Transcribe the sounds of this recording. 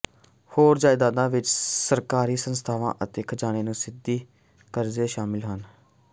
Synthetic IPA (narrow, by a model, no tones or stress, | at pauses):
hoːɾd͡ʒaːɪd̪aːd̪ãːʋɪt͡ʃsəɾkaːɾiːsənst̪ʰaːʋã̰ːʔət̪eːkʰd͡ʒaːɽ̃eːnũːsɪd̪iː | kəɾzeːʃaːmɪlɦən